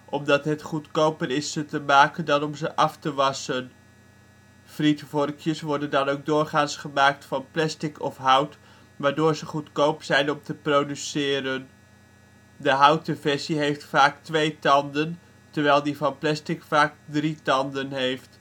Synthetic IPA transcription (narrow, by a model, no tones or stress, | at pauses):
ʔɔmdɑtɦətχutkowpəɾɪsətəmaːkəndɑnɔmzəʔɑftəʋɑsən | fritfɔrkʰjəsʋɔɹdəndɑnowk̚dʊːrχaːnsχəmaːk̚tfɑnplɛstɪkʰɔfɦawt | ʋaːɹdoːɹzəχutkowpsɛjnɔmtəprodysɪːɾən | dəɦawtəvɛɹsiɦejftfaːktʋejtɑndən | təɹʋɛjlˠdifɑnplɛstɪkfaːk̚dritɑndənɦejft